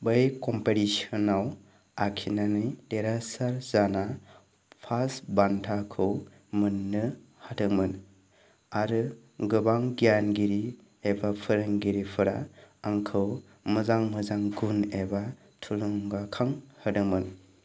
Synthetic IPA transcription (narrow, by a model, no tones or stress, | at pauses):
bɯjkɔmpeɾisɔnaw | akʰinanɯjdeɾasaɾzana | pʰasbantʰakʰɯw | mɯnːɯ | hatɯŋmɯn | aɾɯ | ɡɯbaŋɡijanɡiɾi | ebapʰɯɾɯŋɡiɾipʰɯɾa̰aŋkʰɯw | mɯzaŋmɯzaŋɡuneba | tʰuluŋɡakʰaŋhɯdɯŋmɯn